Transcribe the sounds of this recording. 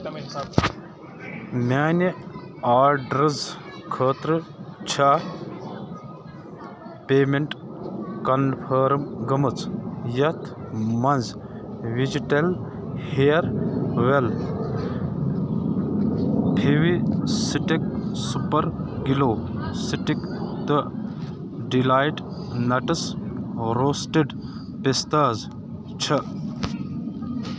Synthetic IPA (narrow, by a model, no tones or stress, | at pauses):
maːni | aːɾɖɾɐz | kʰəːt̪ɾɨt͡ʃʰaː | peːmeɳʈkɐnpʰɐːɾmɡɐmɨt͡sjɐt̪ʰmɐnzʋid͡ʒiʈɐl | heɾʋel | pʰiwisiʈik̚supɐɾɡiloːsiʈikt̪ə | ɖilaːjʈ | nɐʈəs | ɾoːsʈeɖ | pest̪aːz | t͡ʃʰə